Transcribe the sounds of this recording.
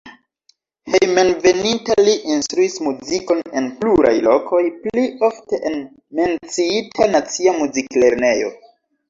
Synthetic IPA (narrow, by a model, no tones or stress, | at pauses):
he̞jmenve̞nintaliʔinstɾuismuziko̞ne̞npluɾa̰jlo̞kʰo̞jplio̞fte̞ʔen | me̞nt͡siitʰanat͡siamuzikle̞ɾne̞jo̞̰